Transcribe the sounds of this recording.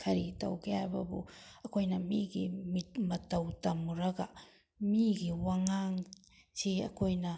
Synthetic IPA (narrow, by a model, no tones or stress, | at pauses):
kʰɐɾitɐ̰wkeajbɐ̰bṵɐkʰojnɐmiɡimitmɐtɐwtɐmuɾɐɡɐ | miɡiwaŋaŋ | siɐ̰kʰojnɐ